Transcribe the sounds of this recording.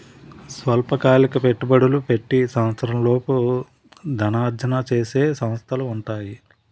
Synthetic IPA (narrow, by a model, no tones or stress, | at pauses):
sʋɐlpɐkaːlikɐpe̞ʈːubɐɽulupe̞ʈːisɐmɐt̪sɐɾɐmlo̞ːpu | d̪ʱɐnaːd͡ʒ̪jɐnat͡ʃeːse̞ːsɐmɐst̪ʰɐluːɳʈaːji